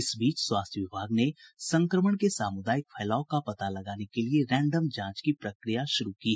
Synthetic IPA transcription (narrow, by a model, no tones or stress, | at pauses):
ɪsbiːt͡ʃswaːst̪ʰjəʋɪbʱaːɡnesɐ̃ŋkɾəməɽ̃kesaːmʊd̪aːjɪk̚fʰɛːlaːokapɐt̪alɐɡaːnekelieɾɛ̃ːɳɖəmd͡ʒãːt͡ʃkipɾɐkɾijaʃʊɾukiɦ